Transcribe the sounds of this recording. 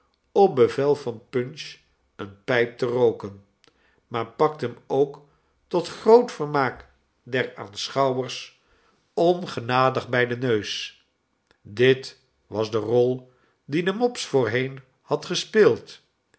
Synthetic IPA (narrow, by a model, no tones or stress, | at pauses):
ɔp̚bəvɛlˠvɑnpɵnʃ | ənpɛjp̚tərowkən | maːɹpɑk̚tɦəmowk | tɔtχrowtfəɹmaːk | dɛɹa̰ːnsχɑwəɹs | ɔnχənaːdəχbɛjdənøɥs | dɪt | ʋɑzdərɔlˠ | didəmɔpsfʊːɹɦejn | hɑtχəspɪːlˠt